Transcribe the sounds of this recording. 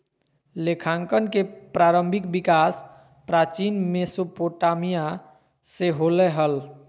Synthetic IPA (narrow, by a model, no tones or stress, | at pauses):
lekʰãŋkənkepɾaɾəmbʱik̚bikas | pɾat͡ʃinmesopoʈamija | seɦolɛɦəl